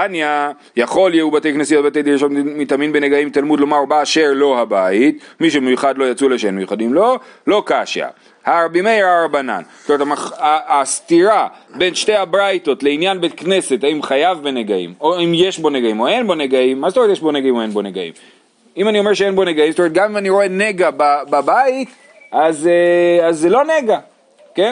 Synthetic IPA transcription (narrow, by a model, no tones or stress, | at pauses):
tanja | jaχo̞ljeubat̪e̞jknesijot̚bat̪̬ejd̪iɾeʃo̞t̪mit̪aminbeneɡaimt̪almud̪lo̞maʁbaːʃeʁlo̞habait̪miʃ̬emejuχad̪lo̞jat͡suleʃeenmejuχad̪imlo̞lo̞kaʃa̰ | haːʁbimejaːʁbana̰nsstomet̪amaaːst̪iʁabe̞nʃte̞habʁajto̞tle̞injanbetkne̞se̞taimχajavbeneɡaḭmoimje̞ʃbo̞neɡaimo̞e̞nbo̞neɡaimːazet̪omet̪jeʃbo̞neɡaimoenbo̞neɡaḭm | imanio̞me̞ʁʃeenbo̞neɡaimstomet̚ɡamimaniʁo̞e̞ne̞ɡabababait̪ | azeazːelo̞neɡa | ken